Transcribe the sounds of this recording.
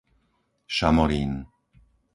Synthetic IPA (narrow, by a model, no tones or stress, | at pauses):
ʃamɔɾiːn